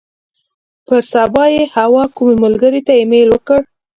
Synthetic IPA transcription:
pəɾsɑbɑjehawɑkumeməlɡəɾet̪aemelwəkəɽ

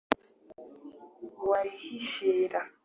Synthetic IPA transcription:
waihiʃeːɾa

